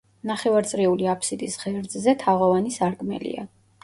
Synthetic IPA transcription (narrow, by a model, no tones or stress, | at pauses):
naχɛvaɾt̪sʼɾiuliapʰsid̪isʁɛɾd̪zzɛt̪ʰaʁɔvanisaɾɡʼmɛ̰lḭa̰